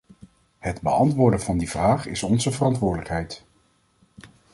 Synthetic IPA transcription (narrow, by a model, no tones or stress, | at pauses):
hɛdbəɑntʋʊːɹdəvɑndiv̥raːχɪsɔnzəvərɑntʋʊːɹdələkɦɛjt